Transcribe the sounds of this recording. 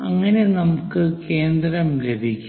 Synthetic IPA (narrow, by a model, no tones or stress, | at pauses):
ɐŋːɐne̞nɐmukːɨke̞ːnd̪ɾɐmlebʱikʲːu